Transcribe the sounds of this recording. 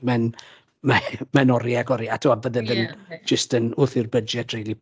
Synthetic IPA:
mɛn | mɛmɛnɔɾjaɡɔɾiatʰuavəðɛðənd͡ʒəstənʊθɪrbəd͡ʒɛdrejli

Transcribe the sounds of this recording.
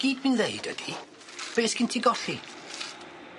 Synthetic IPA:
ɡ̥iːdmɨnðeɨd̥ə̰d̥i | b̥eːskʰɪntʰiɡɔɬi

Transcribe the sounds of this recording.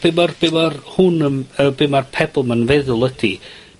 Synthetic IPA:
b̥emɔrb̥emɔrhʊnəməbemarpʰɛbʊlˠmanvɛðʊlˠədi

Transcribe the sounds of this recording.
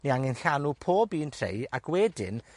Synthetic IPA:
niaŋɪnɬanupʰoːbiːntʰr̥ḛjakʰwɛdɪ̰n

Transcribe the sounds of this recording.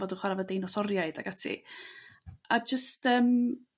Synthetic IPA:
ɔdəχwaɾavɔdejnɔsɔɾjaɨdaɡatʰḭ | ʔad͡ʒəstəːm

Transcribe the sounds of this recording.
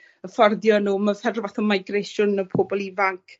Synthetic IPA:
əfɔrdjɔnuːmafɛrvaθɔmajɡrejʃʊnəpʰoːbɔlˠivaŋkʰ

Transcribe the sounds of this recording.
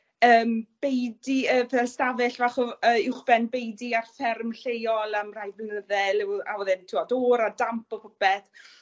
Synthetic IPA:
əːmb̥ejdiəːpʰɛðɛlstavɨɬvaχɔəːɪwχb̥ɛnbejdiarfɛrmɬejɔlˠamrajvənəðɛlˠɪwa̰wɛðɨntʰɪɔdoːɾadampɔpʰɔbɛθ

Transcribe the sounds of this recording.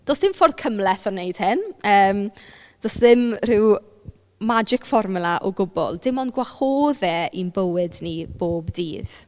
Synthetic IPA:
d̥osðɪmfɔrð̥kʰəmlɛθɔnejd̥hɪnəːm | d̥ɔsðɪmrɪw | mad͡ʒɪkfɔrmʊlˠaʔɔɡʊbɔ̰lˠd̥ɪmɔnɡwaχoːðɛʔinbəwɨdnib̥oːbdḭːð̥

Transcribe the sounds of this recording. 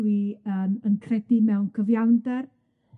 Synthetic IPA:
wiəːmənkʰrɛdimɛwnkʰəvjawndɛr

